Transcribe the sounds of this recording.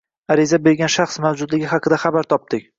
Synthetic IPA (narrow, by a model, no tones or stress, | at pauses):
aɾɪzabeɾɡʲanʃaχsmawd͡ʒʊd̪lɪɡʲɪɦɑqʰɨd̪aχabaɾt̪ʰɒp̚d̪ɪkʲ